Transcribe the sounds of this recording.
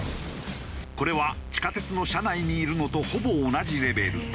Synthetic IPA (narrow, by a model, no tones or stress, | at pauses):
ko̞ɾe̞β̞at͡ɕi̥kat̪e̞t͡sɨno̞ɕanaiɲ̟iːɾɯ̟no̞t̪o̞ho̞bo̞ːnad͡ʑiɾe̞be̞ɾɯ̟̰